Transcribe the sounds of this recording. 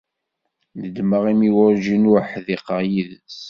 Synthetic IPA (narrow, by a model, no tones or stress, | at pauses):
nəd̪məʁimiwəɾʒinʊɾħðiqəʁjiðəs